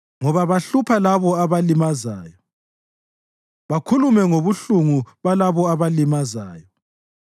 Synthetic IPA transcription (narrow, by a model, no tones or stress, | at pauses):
ŋɔβaβaɬupʰalaβɔaβalimazaːjɔ | βakʰulumɛŋoβuɬuŋuβalaβɔaβalimazaːjɔ